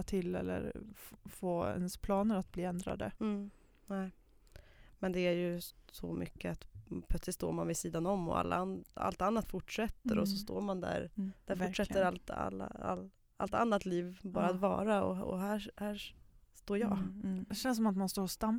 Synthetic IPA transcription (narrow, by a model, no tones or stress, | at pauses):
t̪ʰɪlːɛ̰lːə̰ɾfoːɛ̰nspʰlɑːnəɾat̪̚bliːɛnd̪ɾa̰d̪ə̰ | nɛː | mɛnd̪ɛæɾjɵsɔ̰mʏ̰kːəat̪pʰlœt̪slɪt̪st̪o̰ːɾmanvɪsiːd̪anɔmːɔ̰a̰lːa̰a̰lt̪anːat̪fʊʈʂɛt̪ːəɾɔsɔst̪o̰ːɾmand̪æ̰ɾd̪̥æɾfʊʂɛt̪ːəɾalt̪a̰lːa̰a̰l | a̰lt̪anːat̪liːvbɑːɾat̪vɑ̰ːɾaɔ̰ɔ̰ɦæːhæːst̪oːɾjɑ̰ːd̪ɛɕɛnsɔmat̪manst̪oːɔst̪am